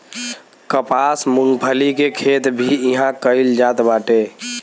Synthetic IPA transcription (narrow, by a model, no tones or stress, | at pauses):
kəpasmuŋɡpʰəlikekʰet̪bʱiiɦãkəɪld͡ʒat̪baʈe